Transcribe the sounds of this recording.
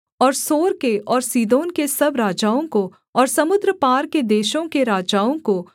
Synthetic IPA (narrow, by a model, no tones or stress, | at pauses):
ɔːɾsoːɾkeɔːɾsiːd̪oːnkesɐbɾaːd͡ʒaːõko | ɔːɾsɐmʊd̪ɾəpaːɾked̪eːʃõkeɾaːd͡ʒaːõko